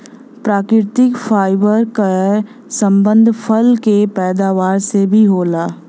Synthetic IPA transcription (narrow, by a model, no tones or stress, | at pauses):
pɾaːkɾɪɾt̪ɪkfʰaːɪbəɾka | sə̃mbə̃nd̪ʱpʰəlkepɛːd̪aːʋaːɾsebʱiɦoːlaː